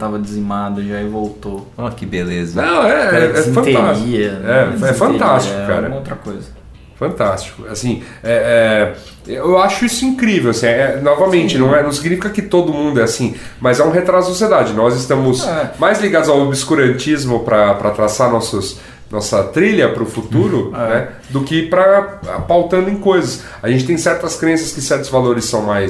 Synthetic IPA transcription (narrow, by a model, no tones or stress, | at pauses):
t̪avɐd͡ʒɪzimad̪ʊʒaivowt̪oakɪbelezɐnɐ̃ɛɛɛ̃fɐ̃nt̪aiɐɛɛfɐ̃t̪ast͡ʃɪ̥kʊka̰ɾɐmɐot̪ɾɐkojzɐ | fɐ̃nt̪ast͡ʃi̥kʊasĩ | ɛɛ | ewaʃʊisʊĩkɾivewasĩɛɛnɔvɐmẽnt͡ʃɪnɐ̃w̃ɛnɐ̃w̃siɡnifikɐkɪt̪od̪ʊmũnd̪ʊɛasĩ | mɐzɛũɦet̪ɾazzʊsoɐsied̪ad͡ʒɪnɔzɪst̪ɐ̃mʊsɛmajzliɡad̪ʊzawbiskuɾɐ̃nt͡ʃizmʊpɾɐpɾɐt̪ɾasanɔsʊs | nɔsɐt̪ɾiʎɐpɾʊfut̪uɾʊnɛ | d̪ʊkɪpɾɐ̰pawt̪ɐ̃nd̪ʊẽkojzɐs | ɐʒẽnt͡ʃɪt̪ẽj̃sɛɾt̪ɐskɾẽsɐskɪsɛɾt̪ʊzvaloɾɪsːɐ̃w̃majs